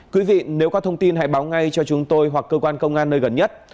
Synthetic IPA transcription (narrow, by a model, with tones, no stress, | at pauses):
kwi˨˦vḭ˧˨ne˨˦wkɔ˨˦t̪ʰə˧wŋ͡mt̪i˧nɦa̰ː˧˥jɓaː˨˦wŋa˧jt͡ɕɔ˧t͡ɕʊ˨˦ŋ͡mt̪o˧jɦwa˨˩kːəː˧kwaː˧nkə˧wŋ͡mʔaː˧nːəː˧jɣə˨˧˩nɲə˦˥t̚